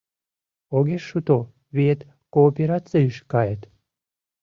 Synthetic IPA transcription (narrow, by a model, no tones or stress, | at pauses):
oɣʲeʃut̪o | βiet̪ | koːpʲeɾɑt͡sɨiʃkɑjet̪